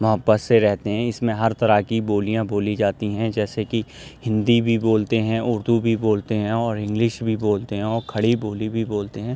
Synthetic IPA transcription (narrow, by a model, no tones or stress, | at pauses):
mɐɦəbːət̪seɾɛɦt̪eɦɛ̃ɪsmẽɦɐɾt̪ɐɾakiboːlijãboːlid͡ʒaːt̪iɦɛ̃d͡ʒɛːseki | hɪ̃nd̪ibʱiboːlt̪eɦɛ̃ʊɾd̪ubʱiboːlt̪eɦɛ̃ɔːɾɪ̃ŋɡlɪʃbʱiboːlt̪eɦɛ̃ɔːɾkʰɐɽiboːlibʱiboːlt̪eɦɛ̃ː